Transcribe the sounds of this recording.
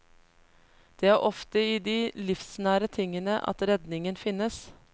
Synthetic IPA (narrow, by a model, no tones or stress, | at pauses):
d̪̥ɛːæːɾʔɔft̪əiːd̪iːlɪfsnæːɾət̪ʰɪŋənəʔɑ̰t̪ɾɛd̪nɪŋənfɪnəs